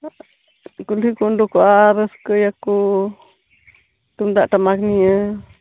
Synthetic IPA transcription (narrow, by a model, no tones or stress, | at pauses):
kulikund̪ukuaɾeskəjaku | t̪und̪aʔt̪amãknĩə̃